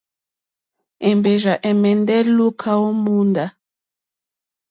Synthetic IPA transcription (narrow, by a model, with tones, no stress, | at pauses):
ɛ˨mbɛ˨ʒa˨ʔɛ˨mɛ˨ndɛ˦lu˦kʰa˦o˦mu˦nda˨